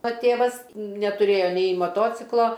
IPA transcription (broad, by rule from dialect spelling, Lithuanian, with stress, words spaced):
oː ˈtʲeːʋɐs nʲɛtʊˈrʲeːjoː nʲɛɪ mɐˈtoːt͡sʲɪklˠoː